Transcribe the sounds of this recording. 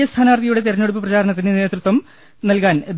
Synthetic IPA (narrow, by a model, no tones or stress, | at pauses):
jɐst̪ʰaːnɐʋɐrt̪iɐjuɽe̞t̪iɾɐnːoɽup̬ːɨprɐt͡ɕaːɾɐɳɐt̪̬ːinɨne̞ːt̪rut̪wɐm | nɐlkaːnd̪